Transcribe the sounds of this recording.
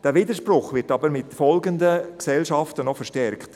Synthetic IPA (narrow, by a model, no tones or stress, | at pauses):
d̥ɛːʋidəʃprʊχʋɪɾtɑbəɾmɪtfɔlɡəndəksɛlʃɑftənɔfəɾʃtɛrkt